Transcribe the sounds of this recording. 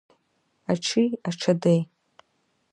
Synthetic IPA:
aʈ͡ʂʰiaʈ͡ʂʰadej

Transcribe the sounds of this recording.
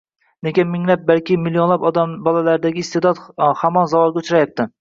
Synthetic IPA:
nekʲɪnmɪŋlap̚balkʲɪmilːionlapɒd̪abɒlˠalaɾɪd̪aɡʲɪːst̪ed̪ɒt̪hamɒnzavɒlˠɡʲɛʊt͡ʃʰɾajap̚t̪ʰɪ

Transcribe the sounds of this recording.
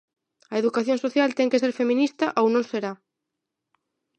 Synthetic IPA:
ɐeðukaθjõnsoθjalt̪ɛŋkeseɾfemĩnist̪ɐʔownõŋseɾa

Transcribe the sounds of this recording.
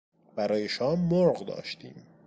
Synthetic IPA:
b̥æɾɒːjeʃɒːmːoɾɣd̪ɒ̰ːʃt̪ʰḭːm

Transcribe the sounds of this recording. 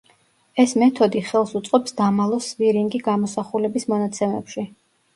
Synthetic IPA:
ɛsmɛt̪ʰɔd̪iχɛlˠsut̪sʼqʼɔpsd̪amalˠɔsviɾiŋɡiɡamɔsaχulɛbismɔnat̪sʰɛmɛpʃi

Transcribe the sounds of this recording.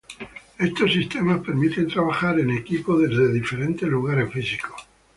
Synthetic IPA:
e̞st̪o̞sist̪e̞maspe̞ɾmit̪e̞nt̪ɾaβ̞axaɾe̞ne̞kipo̞ðe̞zðe̞ðife̞ɾe̞nt̪e̞zluɣaɾe̞sfisiko̥

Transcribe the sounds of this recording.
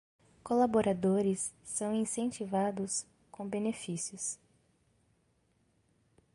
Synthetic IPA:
kolaboɾad̪oɾɪsː | ɐ̃w̃ĩsẽt͡ʃivad̪ʊs | kõbenefisiʊs

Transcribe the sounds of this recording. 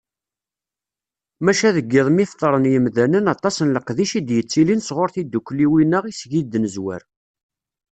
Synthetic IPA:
mæʃæðəɡːɪðˤmift̪ˤːəɾˤənjəmðænənɑt̪ˤɑsənləqðiʃid̪jət͡sːilinsʁoɾθid̪ːukʷːliwinəʁisʝid̪ːnəzwæ̰ɾ

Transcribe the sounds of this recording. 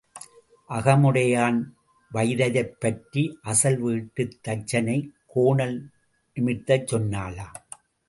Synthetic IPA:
ʔɐɣɐmɯɽɐjaːn | ʋɐɪðɐðɐɪpːɐʈɾiʔɐsɐlʋiːʈːɯt̪ːɐt͡ʃːɐnɐɪkoːɳɐl | nɪmɪt̪ːɐt͡ʃːɔnːaːlaː

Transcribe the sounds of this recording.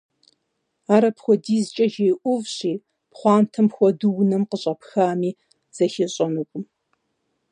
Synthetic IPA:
aːɾɐpxʷɔdiːzt͡ʃʼɐʒeːjʔʷʊvɕiː | pχʷɑːntʰɐmxʷɔdɨwnɐmqəɕʼɐpxaːmiː | z̥ɐxɪɕʼɐnɨkʷʼʊm

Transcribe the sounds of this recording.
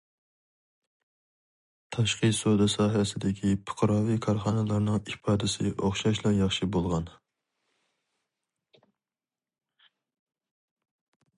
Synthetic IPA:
t̪ʰɑʃqɨsod̪ɨsɑːɦɛsɪd̪ɪkʲʰipʰʊ̥qʰɾɑːvikʰɑɾχɑːnɨlˠɑɾnɨŋipʰɑːd̪ɪsɪʔoχʃɑʃlˠɑɾjɑχʃibolˠʁɑn

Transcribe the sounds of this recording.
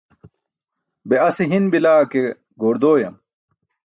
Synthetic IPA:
beɐsiɦinbilaːke | ɡoːɾd̪oːjɐm

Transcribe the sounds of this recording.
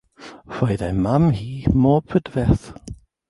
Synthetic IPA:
r̥ojðamamhiːmɔːbʰədvɛθ

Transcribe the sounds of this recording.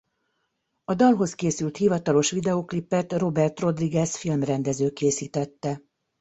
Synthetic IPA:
ɒd̪ɒlɦo̞skeːsylt̪hivɒt̪ɒlo̞ʃʋid̪ɛoklipːɛt̪ro̞bɛrt̪ro̞d̪riɡɛsfilmrɛnd̪ɛzøːkeːsiːt̪ɛt̪ːɛ

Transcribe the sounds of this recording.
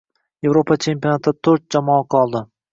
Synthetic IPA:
je̞vɾopʰat͡ʃʰe̞mpʲijonat̪ʰt̪ʰɵɾt̪̚d͡ʒamɒɑqʰɒlˠd̪ɪ

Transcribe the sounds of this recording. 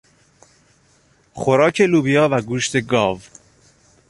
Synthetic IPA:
xoɾɒːcʰe̞luːbijɒːvæɡuːʃt̪ʰe̞ɡɒːv

